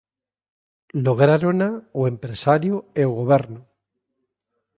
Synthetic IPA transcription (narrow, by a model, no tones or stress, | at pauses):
loɣ̞ɾaɾonawe̞mpɾesaɾjueoɣ̞oβ̞eɾno